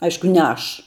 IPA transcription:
ˈɐɪʃkʊ nʲɛ ˈɐʃ

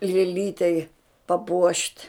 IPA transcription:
lʲeːˈlʲiːtʲɛɪ pɐˈpuɔʃʲtʲ

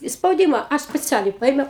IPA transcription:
ɪ spɐʊˈdʲiːmɐ ˈɐʃ sʲpʲɛˈt͡sʲæːlʲɛɪ ˈpɐɪmʲɛʊ

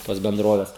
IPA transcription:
toːs bʲɛnˈdroːʋʲɛs

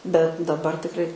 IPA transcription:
bʲɛt dɐˈbɐr tʲɪkˈrɐɪ

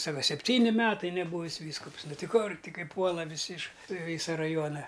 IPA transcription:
ˈsɑːkɐ sʲɛpʲˈtʲiːnʲɪ ˈmʲæːtɐɪ nʲɛˈbuːʋʲɪs ˈʋʲiːskʊps ˈnʊ ˈtʲɪ ˈkʊr ˈtʲɪ ˈkɐɪ ˈpuɔlˠɐ ʋʲɪˈsʲɪ ɪʃ ˈʋʲiːsɐ rɐˈjuɔnɐ

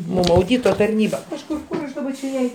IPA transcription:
mʊm ɐʊˈdʲiːtoː tɐrʲˈnʲiːbɐ kɐʃˈkʊr ˈkʊr ɐʃ dɐˈbɐ t͡ʃʲɛ ˈjɛɪ

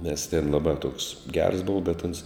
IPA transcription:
nʲɛs tʲeːn lˠɐˈbɑː toːks ɡʲɛrs ˈboːʋɐ bʲɛt ɐns

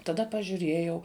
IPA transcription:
tɐˈdɐ pɐʒʲʊˈrʲeːjɛʊ

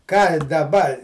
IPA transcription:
kɑː dɐˈbɐ

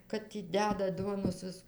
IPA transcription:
ˈkɐt tʲiː ˈdʲæːdɐt ˈduɔnoːs ˈʋʲɪs

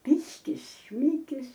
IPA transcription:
ˈpʲɪʃʲkʲɪs ˈʃʲmʲɪkʲɪs

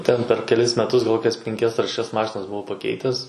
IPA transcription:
ˈtʲɛn pʲɛr kʲɛˈlʲɪs mʲɛˈtʊs ɡɐlˠ ˈkoːkʲɛs pʲɛŋʲˈkʲɛs ɐr ʃʲɛˈʃʲɛs ˈmɑːʃʲɪnɐs bʊˈʋɐʊ pɐˈkʲɛɪtʲɛs

